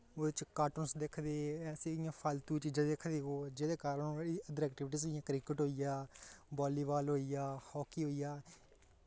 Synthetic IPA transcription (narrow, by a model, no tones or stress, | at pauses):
oːd̪t͡ʃkaːʈənsd̪ekʰd̪eːɛːsiːɪjãːpʰaːlt̪uːt͡ʃiːd͡ʒãːd̪ekʰd̪eːɦoːd͡ʒeːd̪eːkaːɾəñːiəd̪əɾɛːk̚ʈɪʋɪʈiːzɪjãːkɾɪkəʈɦoːijaːbaːliːʋaːlɦoːijaːhɔːkiːɦoːijaː